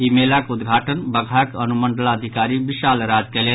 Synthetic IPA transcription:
imelakud̪ɡʱaːʈənbɐɡʱakənuməɳɖəlaəd̪ʱikaːɾiʋiʃaːlɾaːd͡ʒkɛle

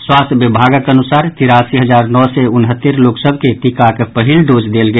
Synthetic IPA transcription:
swaːst̪ʰʋɪbʱaːɡəkənʊsaːɾt̪ɪɾaːsiɦəzaːɾnɔːseʊnɦət̪ːəɾloːksəbʱket̪ikakpəɦɪlɖoːd͡ʒd̪eːlɡəe

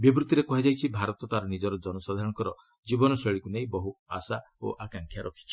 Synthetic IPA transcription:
bibɾut̪iɾekɔɦed͡ʒajt͡ʃʰibʱaɾɔt̪ɔt̪aɾɔnid͡ʒɔɾɔd͡ʒɔnɔsad̪ʱaɾɔ̃ɔŋkɔɾɔ | d͡ʒibɔnɔseɭikunej̃bɔɦua̰sa | o̰ʔakaŋkʰjaɾʔɔkʰi̥t͡ʃʰi̥

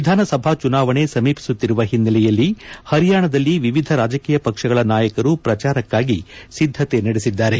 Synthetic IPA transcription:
ʋid̪ʱaːnɐsɐbʱat͡ʃunaːʋɐɳe̞sɐmiːpi̥sut̪ːiɾuʋɐɦinːɐlɛjɐlːihɐɾijaːɳɐd̪ɐlːiʋiʋid̪ʱɐɾaːd͡ʒɐkiːjɐpɐkʂɐɡɐɭɐnaːjɐkɐɾupɾɐt͡ʃaːɾɐkːaːɡisid̪ʱːɐt̪e̞nɐɽesid̪ːaːɾe̞

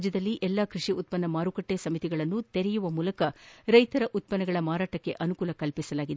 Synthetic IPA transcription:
d͡ʒjɐd̪ɐlːiʔɛlːaːkɾiʂiut̪̚pɐnːɐmaːɾukɐʈːesɐmit̪iɡɐɭɐnːut̪eɾɛjuʋɐmuːlɐkɐɾɐjt̪ɐɾɐʔut̪̚pɐnɐɡɐɭɐmaːɾaːʈɐkːe̞̰ʔɐnukuːlɐkɐlpisɐlaːɡid̪e

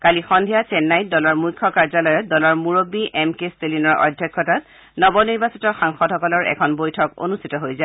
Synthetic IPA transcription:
kalixɔndʱijasɛnːajt̚dɔlɔɹmujkʰːɔkaɹzalɔjɔtdɔlɔɹmuɹobːiɛmkestelinɔɹɔ̰dʱːjɔkʰːɔtat | nɔbɔniɹbasitɔxaŋxɔdɦhɔkɔlɔɹʔɛ̰kʰɔnbojtʰɔko̰nustʰitɔɦojza

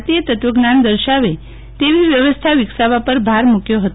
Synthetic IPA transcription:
t̪ijet̪ət̪ʋəɡnand̪əɾʃaʋe | t̪eʋiʋjəʋəst̪ʰaʋiksaʋapəɾbʱaɾmukjoɦət̪

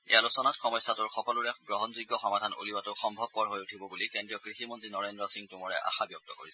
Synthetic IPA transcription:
ḛjalusɔnatxɔmɔjsatʊɹxɔkɔlʊɹɛɡɹɔɦɔnzuɡːɔxɔmadʱano̰liwatʊxɔmbʱɔb̚pɔɹɦojutʰibɔbulikendɹijɔkɹiximɔntɹinɔɹendɹɔsiŋtʊmɔɹɛ̰ʔa̰xabjɔk̚tɔko̰ɹis

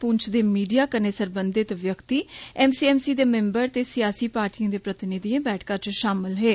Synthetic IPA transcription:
pʊɲt͡ʃʰd̪eːmiːɖijaːkəneːsəɾbənd̪ɪt̪ʋjəkt̪iːɛːmsiːɛːmsiːd̪eːmɛ̃ːmbəɾt̪eːsɪjaːsiːpaːɾʈiːãːd̪eːpɾət̪ɪnɪd̪ijãːbɛːʈʰkãːt͡ʃʃaːmɪlɦeː

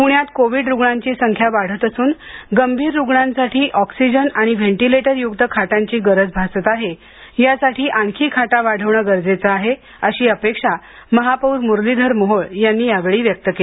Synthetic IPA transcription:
puɳjat̪koʋiɖɾuɡɳaɲt͡ɕiːsəŋkʰjaʋaɽ̤ət̪əsuːnɡəmbʱiːɾːuɡɳansaʈʰiːʔɔksid͡ʑənaɽ̃iʋeɳʈileʈəɾjuɡt̪əkʰaʈãɲt͡ɕiːɡəɾəd͡zbʱasət̪aɦe | jasaʈʰiːʔaɳkʰiːkʰaʈaʋaɽ̤əʋɳəːɡəɾd͡zet͡səaɦe | əɕiːəpekʂa | məɦapəuɾmuɾlid̪ʱəɾmoɦoɭjanːiːjaʋeɭiːʋjək̚t̪əke

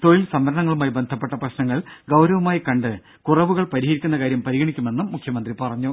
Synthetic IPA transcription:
t̪oːjilsɐmʋɐɾɐɳɐŋːɐɭumaːjibend̪ʱɐpːe̞ʈːɐprɐɕnɐŋːɐɭɡɐwɾɐʋumaːjikɐɳɖɨ | kurɐʋuɣɐɭpɐɾiɦɐɾikʲːunːɐkaːɾjɐmpɐɾiɣɐɳikʲːume̞nːumukʰjɐmɐnd̪ripɐrɐɲːu

